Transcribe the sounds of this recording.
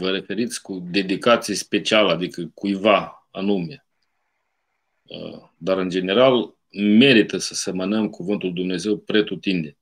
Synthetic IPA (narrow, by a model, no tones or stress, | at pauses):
vəɾe̞fe̞ɾit̪sʲkud̪e̞d̪ikat̪sijspe̞t͡ʃialead̪ikəkujva | anume | ə̰ | d̪aɾɨnd͡ʒe̞ne̞ɾal | me̞ɾit̪əsəsemənəmkʰuvɨnt̪uld̪umne̞ze̞wpɾe̞t̪ut̪ind̪e